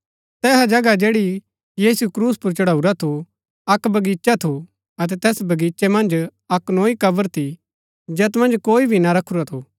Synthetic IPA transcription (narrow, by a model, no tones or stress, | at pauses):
t̪ɛːɦad͡ʒɐɡad͡ʒeːɽi | jiːsukɾuːspʊɾt͡ʃɐɽaːuɾat̪ʰo | ɐkbɐɡiːt͡ʃat̪ʰo | ɐt̪̬ɛt̪ɛːsbɐɡiːt͡ʃemɐ̃nd͡ʒ | ɐknoːikɐbəɾt̪ʰi | d͡ʒɛt̪mɐ̃nd͡ʒkoːibʱinɐɾɐkʰːuɾat̪ʰo